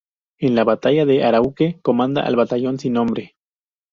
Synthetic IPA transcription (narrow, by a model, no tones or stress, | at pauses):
enlaβat̪aʝaðe̞ʔaɾaukeko̞mãnd̪a̰ʔa̰lβat̪aʝo̞nsinːõ̞mbɾe